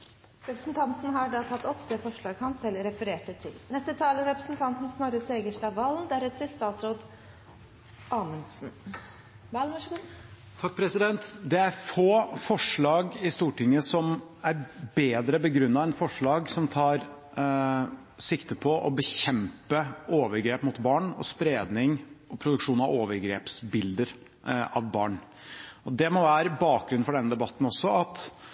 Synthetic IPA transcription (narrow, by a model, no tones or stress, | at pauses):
ɾɛpɾəsnt̪ʰɑnt̪n̩ɦɑɖɑt̪ʰɑt̪ːɔpːd̪ɛfɔʂɭɑːɡhɑnsɛlːɾɛfəɾeːʈət̪ʰɪlnɛst̪ət̪ʰɑːləɾɛpɾəsn̩t̪ʰɑnt̪n̩snɔɾəseːɡəʂʈɑʋɑːlnd̪æɾɛt̪ʰːəlst̪ɑːt̪sɾoːd̪ | ʔɑːmənsn̩ | ʋɑlʋɑʂɡu | t̪ʰɑk̚ːpʰɾɛsɪd̪ɛnt̪d̪ɛæɾfoːfɔʂɭɑːɡɪst̪uːʈɪŋːəsɔmæɾbeːd̪ɾəbəɡɾʉnːɑɛnfɔʂɭɑːɡsɔmt̪ʰɑːɾ | sɪkt̪əpʰɔʔɔbəçɛmpəoːʋəɾɡɾeːpmʊt̪bɑːɳɔ̰spɾeːd̪nɪŋɔpʰɾʊd̪ʉkʂuːnɑʋoːʋəɾɡɾḛːpsbɪld̪əɾ | ɑ̰ʋbɑ̰ːɳ | ɔd̪ɛmɔʋæːɾəbɑːk̚ɡɾʉnfɔɖɛnːəd̪ɛbɑt̪ːn̩ɔsːɔɑt̪